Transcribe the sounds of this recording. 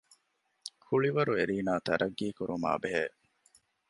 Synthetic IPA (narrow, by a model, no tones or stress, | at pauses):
kʰuɭiʋɐɾueɾiːnaːt̪ɐɾʔɐɡːiːkuɾuma̰ːbeɦeː